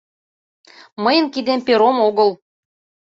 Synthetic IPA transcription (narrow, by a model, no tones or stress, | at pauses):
məjə̆nkid̪empeɾomoɣəl